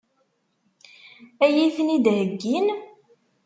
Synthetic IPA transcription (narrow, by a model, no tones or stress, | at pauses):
æjiθnid̪həɡːin